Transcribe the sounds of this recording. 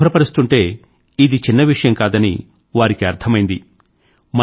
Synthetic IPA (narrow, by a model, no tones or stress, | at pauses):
ɐɾɐpɐɾist̪uɳʈe̞ː | id̪it͡ʃinːɐʋiʂɐjɐmkaːd̪ɐnḭ | ʋaːɾikiɐɾt̪ʰɐmɐjind̪i | m